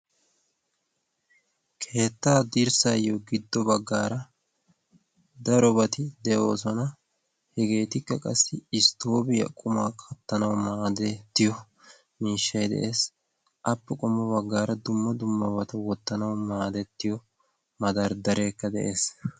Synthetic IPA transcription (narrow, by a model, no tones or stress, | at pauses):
kʰe̞ːt̪ːaːd̪ɪɾsɐjːɔɡɪd̪ːɔbɐɡːaːɾɐ | d̪ɐɾɔbɐt̪ɪd̪ɛʔo̞ːs̬ɔnɐ | hɛɡe̞ːt̪ɪkːɐkʼɐsːɪɪst̪o̞ːbɪjɐ̰kʼʊmaːkʼʰɐt̪ːɐnɐwmaːd̪ɛt̪ːɪjɔ | miːʃːɐjd̪ɛ̰ʔe̞ːs | ʔɐpːɛkʼɔmːɔbɐɡːaːɾɐd̪ʊmːɐd̪ʊmːɐbɐt̪ɐwɔt̪ːɐnɐwmaːd̪ɛt̪ːɪjɔ | mɐd̪ɐɾd̪ɐɾʔe̞ːkːɐd̪ɛʔeːs